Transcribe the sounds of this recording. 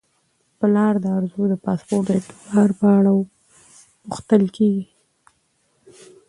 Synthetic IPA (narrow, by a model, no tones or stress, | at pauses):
pəlɑɾd̪əaɾzud̪əpɑspoɾt̪əʈɑɾpəaɽaw | pʊxt̪əlkʰeɡi